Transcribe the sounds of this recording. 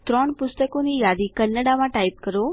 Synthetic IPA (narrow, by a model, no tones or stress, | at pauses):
t̪ɾɔɳpʊst̪əkonijad̪ikənːəɽamãʈaip̚kəɾo